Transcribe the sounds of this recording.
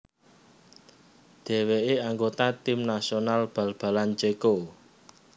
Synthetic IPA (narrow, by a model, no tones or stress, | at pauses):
d̪̥ɛ̤weʔeaŋɡot̪at̪imnasonalb̥ä̤lb̥a̤lant͡ʃeko